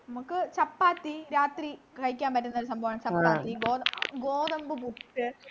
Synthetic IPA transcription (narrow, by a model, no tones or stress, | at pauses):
nɐmukːɨt͡ɕɐpːaːt̪ːiɾaːt̪ri | kɐɻikʲːaːnpɐtːunːɐoɾusɐmbʱɐʋɐɳɐmt͡ɕɐpːaːt̪ːiɡoːɡoːd̪ɐmbɨbuʈːɨ